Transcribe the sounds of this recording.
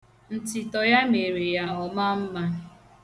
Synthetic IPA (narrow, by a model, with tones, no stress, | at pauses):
n̩˨tɪ˨tɔ˨ja˦me˨ɾe˨ja˦ɔ˨ma˦m̩˦ma˦